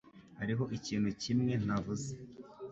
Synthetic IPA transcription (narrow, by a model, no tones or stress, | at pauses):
haɾiɦo̞ʔiciːn̥hucimŋe̞n̥avuze